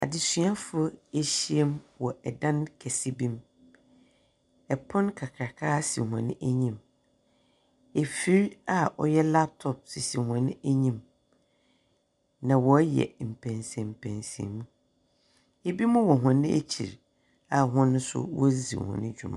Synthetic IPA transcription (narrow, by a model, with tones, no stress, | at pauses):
a̰˨dɪ˨sɥa˦fe˨ɕi˦e˦mwɔ˨ʔɛ˨dã˦nkʰɛ˨si˦bĩ˦m | ɛ˨pʰɔ̃˦nkʰa˨kʰɾa˨kʰaː˦sḭ˨ɦã̰˨nɪ̰̃˦ʔæ˦ɲĩ˦m | e˨fi˦ɾa˦ʔɔ̰˦jɛ˦la˦p̚tʰɔ˨p̚sɪ˨si˨hã˨nɪ̃˦ʔæ˦ɲĩ˦m | nã˨wɔ˨˦jɛ̰˨m̩˨pʰæ̃˨nsɛ̃˨m̩˨pʰæ̰̃˨nsɛ̰˨mũ˦ | e˨bi˦mʊ̃˦wɔ˨ɦã˨nɪ̃˦ʔḛ˦t͡ɕʰḭ˨ɾ | a˨ɦʊ̃˦nʊ̃˦sʊ̰˦wɔ˦zḭ˨hɔ̰̃˨nɪ̃˦d͡ʑᶣu˨mã̰˨